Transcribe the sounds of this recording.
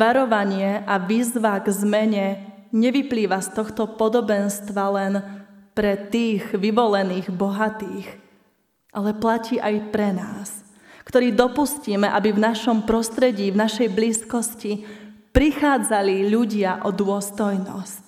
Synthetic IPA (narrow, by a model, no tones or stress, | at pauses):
ʋaɾɔʋaɲɪɛʔaʋiːzʋaɡzmɛɲɛ | ɲɛʋipliːʋast̪ɔxt̪ɔpɔd̪ɔbɛnst̪ʋalɛnpɾɛt̪iːɣʋiʋɔlɛniːɣbɔɦat̪iːx | ʔalɛplaciːʔajpɾɛnaːs | kt̪ɔɾiːd̪ɔpusciːmɛʔabivnaʃɔmpɾɔst̪ɾɛɟiːvnaʃɛjbliːskɔscipɾixaːd͡zaliʎuɟɪaʔɔd̪ʊɔst̪ɔjnɔ̰sc